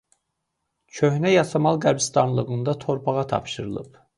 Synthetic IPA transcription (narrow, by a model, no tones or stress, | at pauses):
t͡ʃʰøhnæjɑsʰɑmɑlˠɡæɾbist̪ɑnlˠɯɣɯnd̪ɑt̪ʰo̞ɾpʰɑʁɑt̪ʰɑ̰pʃɯɾɯlˠɯ̰p